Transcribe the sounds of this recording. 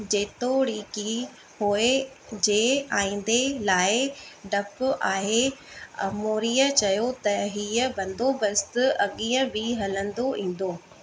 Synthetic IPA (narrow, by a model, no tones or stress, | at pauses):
d͡ʑeːt̪oɽiːki | ɦoːe | d͡ʑeːaːĩːn̆d̪elaːɪɖɐpʊʔaːɦeɐ̰moːɾiːət͡ɕɐjot̪ɐɦiːəbɐ̃nd̪obɐst̪ʊɐɠiːə̃biɦɐlə̃nd̪oʔĩːn̆d̪oː